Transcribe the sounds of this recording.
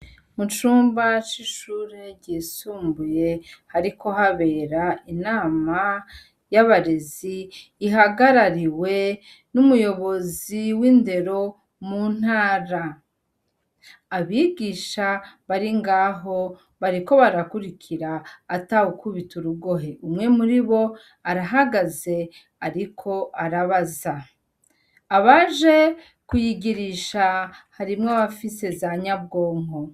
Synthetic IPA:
mut͡ʃuːmbat͡ʃiʃuːɾeɟiːsuːmbuje̞haɾikʰo̞ɦaβe̞ːɾainaːma | jaβaɾeziːɦaɡaɾaɾiwe̞ | numujo̞βo̞ziwinde̞ɾo̞ | mun̥aːɾa | βiɡiːʃaβaɾiŋɡaːɦo̞ | βaɾiko̞βaɾakuɾikʰiɾaːtawukuβituɾuɡo̞ɦeʔumŋe̞muɾiβo̞ | aɾaɦaɡaze̞ | aɾikʰo̞ʔaɾaβaza | βaʒe̞ | kujiɡiɾiʃahaɾimŋoβafise̞zaɲab̚ɡo̞ːŋo̞

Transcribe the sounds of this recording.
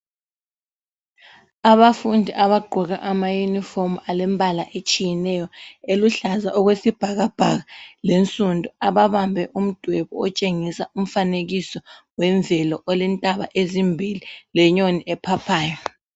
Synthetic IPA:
aβafundʱiʔaβaɡ͡ǃʱɔɣa̰ʔamajunifomualɛmbʱalaʔet͡ʃʼijɛnɛjɔeluɬazaʔɔɣwesib̥ʱaɣab̥ʱaɣalent͡sʼundʱuaβaβambʱɛʔum̩d̥ʱwɛβɔɔt͡ʃʼeŋisaum̩faneɣisɔwɛɱvʱɛlɔʔɔlɛntʼaβa̰ʔezimbʱililɛɲoniʔɛpʰapʰaːjɔ

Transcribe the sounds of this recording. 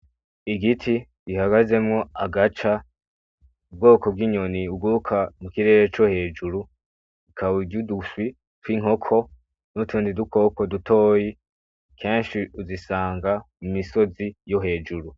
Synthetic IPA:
iɡitʰi | ɡihaɡaze̞mŋo̞aɡat͡ʃa | ub̚ɡo̞ːko̞b̚ɡiːɲo̞niub̚ɡuukʰamukiɾe̞ːɾet͡ʃohe̞ːd͡ʒuɾu | ikʰaβuɟuduswi | twiŋ̥ho̞kʰo̞ | nutʰuːndiduko̞ːko̞dutʰo̞ːji | kʰe̞ːnʃiuzisaːŋɡamumiso̞zijo̞ɦe̞ːd͡ʒuɾu

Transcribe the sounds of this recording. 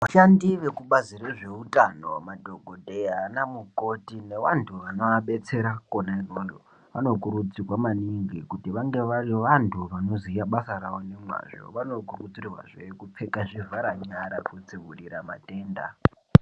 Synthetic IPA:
ʋaʃandiʋe̞kuɓazireʐe̞utʼanomadʱoɡʱodʱejanamuko̞tine̞ʋantʰuʋano̞ʋaɓe̞t͡se̞ɾakonairoːlo | ʋa̰no̞kuɾud͡zirwamaniŋɡikutiʋaŋɡe̞ʋariʋantʰuʋano̞zijaɓasaɾaʋo̞ne̞mwa̰ʐo̞̰ʋano̞kurud͡zirwa̰ʐekup͡fekaʐivʱaɾaɲaɾakud͡ziʋuɗiɾama̰te̞ːnda̰

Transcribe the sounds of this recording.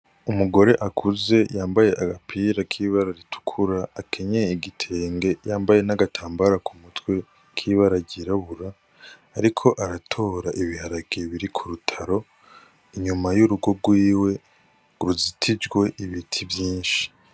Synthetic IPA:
umuɡo̞ɾe̞ʔakʰuze̞jaːmbaje̞ʔaɡapʰiɾakʰiːβaɾaɾitu̥kʰuɾaakʰe̞ɲeiɡitʰe̞ːŋɡe̞jaːmbaje̞naɡatʰaːmbaɾakumutwe̞ | kʰiːβaɾaɟiɾaβuɾaː | ɾikʰo̞ʔaɾatʰo̞ːɾaʔiβihaɾaɡieβiɾikʰuɾutʰaɾo̞ | iɲumajuɾuɡo̞b̚ɡwiːwe̞ | ɾuzitʰid͡ʒɡwe̞ʔiβitʰivjiːnʃi̥

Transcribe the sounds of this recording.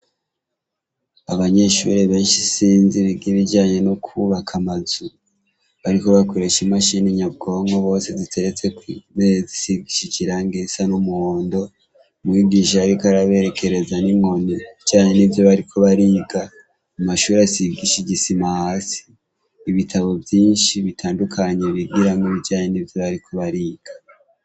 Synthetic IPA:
aβaɲe̞ʃṵɾeβe̞ːnʃisiːnziβiɡiβid͡ʒaːɲe̞nokʰuβakʰamazu | βaɾiko̞βakʰo̞ɾe̞ʃimaʃiniɲab̚ɡo̞ŋɡoβo̞ːse̞zitʰe̞ɾet͡se̞kwimezisib̚ɡiʃicʰiɾaːŋɡesanumuhoːndo̞ | umŋiːɡiʃ̬aaɾikaɾaβe̞ɾe̞kʰe̞ɾe̞zanimŋoniβiɟaːɲenivjo̞βaɾikʰo̞βaɾiːɡa | umaʃuːɾasiɡiʃiɟisimahaːsi̥ː | βitʰaβo̞vjiːnʃiβitʰaːndukʰaɲe̞βiɡiɾamoβiɟaːɲenivjo̞βaɾikʰo̞βaɾiːɡ̥ḁ

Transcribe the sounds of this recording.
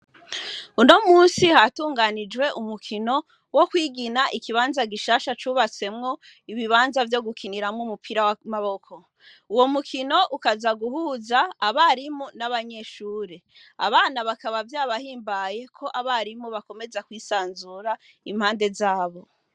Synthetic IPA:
uno̞muːnsihatuːŋɡanid͡ʒwe̞ʔumukʰino̞ | wo̞kwiːɡinaʔikiβaːnzaɡiʃaːʃat͡ʃuːβat͡se̞mŋo̞ | iβiβaːnzavjo̞ɡukʰiniɾamŋumupʰiɾawamaβo̞kʰo̞ | uwo̞mukʰino̞ʔukazaɡuhuːzaːβaɾimunaβaɲe̞ʃuːɾe | a̰βaːnaβakaβavjaːβahiːmbaje̞kʰo̞ʔaβaɾimuβako̞me̞zakwiːsaːnzuːɾa | im̥haːnde̞zaːβo̞

